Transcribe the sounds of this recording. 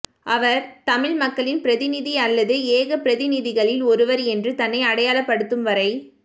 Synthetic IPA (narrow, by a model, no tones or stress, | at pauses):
ʔɐʋɐɾt̪ɐmɪɻmɐkːɐɭɪnpɪɾɐðɪnɪðiɐlːɐðɯeːɣɐpɪɾɐðɪnɪðɪɣɐɭɪlɔɾɯʋɐɾɛndrɯt̪ɐnːɐɪɐɽɐjaːɭɐpːɐɽɯt̪ːɯmʋɐɾɐɪ